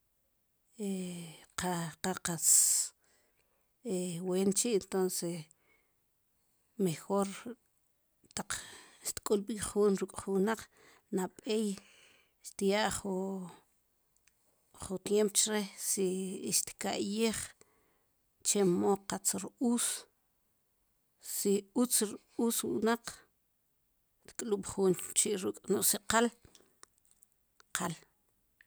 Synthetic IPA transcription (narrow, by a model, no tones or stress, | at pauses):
eqaqaqat͡s | eweːnt͡ʃiʔent̪onse | mexoɾ | t̪aq͡χʃt̪kʼulɓiχuːnɾukʼχuwnaq͡χ | naɓej | ʃt̪ijaʔχu | χut̪jempt͡ʃɾesiʃt̪kaʔjeːχ | t͡ʃemoqat͡sɾuːs | siut͡sɾ | uːswṵnaq͡χ | ʃt̪kʼluɓ̥χuːnt͡ʃiʔɾukʼnoʔsiqal | qʰal